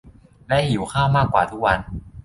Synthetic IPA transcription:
lɛ˦˥hi˨˩˦wkʰaː˥˩wmaː˥˩kːwa̰ː˨˩t̪ʰu˦˥k̚wa˧n

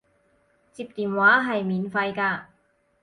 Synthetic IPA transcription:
t͡siː˧p̚t̪iː˨˩nwaː˨˥ɦɐ˨jmiː˨˥nfɐ˧jkaː˧

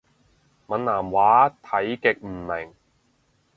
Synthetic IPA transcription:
mɐ˨˥naː˨˩mwaː˨˥t̪ʰɐ˨˥jkɪ˨k̚m̩˨˩mɪ˨˩ŋ

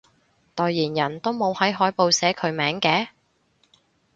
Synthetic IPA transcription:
t̪ɔː˨˧jːiː˨˩njɐ˨˩nt̪o˥wmo˨˧whɐ˨˥jɦɔː˨˥jpo˨˧wsɛː˨˥kʰɵ˨˧ɥmɛː˨˥ŋkɛː˨˥

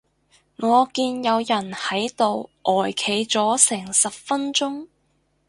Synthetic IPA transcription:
ŋɔː˨˧kiː˧njɐ˨˧wjɐ˨˩nhɐ˨˥jt̪o˨˧wʔɔː˨˩jkʰe˨˩jt͡sɔː˨˥sɛː˨˩ŋsɐ˨p̚fɐ˥nt͡sʊ˥ŋ

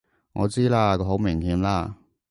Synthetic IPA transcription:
ŋɔ̰ː˨˧t͡siː˥laː˧kɔ˨˧ɦo˨˥wmɪ˨˩ŋhiː˨˧mlaː˧

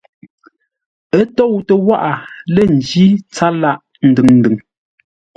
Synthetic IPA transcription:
ə˦to˦˨wtə˨wa˦ʔa˨lɛ˨n̩˨d͡ʒi˦t͡sa˦la˦ʔ | n̩˨dɨ˨ŋn̩˨dɨ˨ŋ

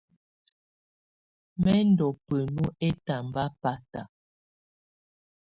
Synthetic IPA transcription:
mɛ˦n˦dɔ˨pə˨nu˦ʔe˦ta˨m˨ba˦pa˦ta˨

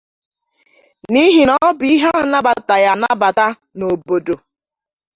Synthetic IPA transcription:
ni˦ɦi˨nɔ˦bi˦ɦa˦a˦˨na˦ba˨ta˨ja˨na˦ba˨ta˦ | no˨bo˨do˨

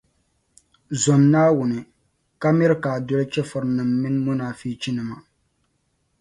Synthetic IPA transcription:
zɔ˨mnaː˦wʊ˨nɨ˨ | ka˦mɛ˦ɾkaː˨dɔ˦lt͡ʃɛ˦fʊ˨ɾnɨ˨mːɪ˦nmʊ˦naː˨fiː˦t͡ʃi˦nɨ˨ma˨

